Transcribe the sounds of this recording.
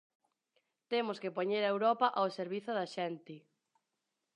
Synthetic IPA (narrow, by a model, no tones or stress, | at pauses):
t̪emʊskɪpoɲeɾɐewɾɔpɐʔawseɾβiθʊðɐʃɛnt̪ɪ